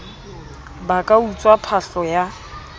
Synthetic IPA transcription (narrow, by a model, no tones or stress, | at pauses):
bakʼaut͡sʼwapʰaɬɔja